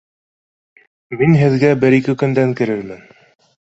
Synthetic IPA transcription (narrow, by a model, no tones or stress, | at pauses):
minɦɘ̆ðɡæbɘɾikɘkɵ̆nd̪æŋkɘ̆ɾɘɾmɘn